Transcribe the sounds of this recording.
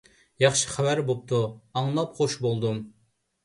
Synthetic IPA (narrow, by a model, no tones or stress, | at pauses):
jɑχʃi̥χæwæɾbop̚t̪ʰuɑŋlˠɑpχoʃbolˠd̪um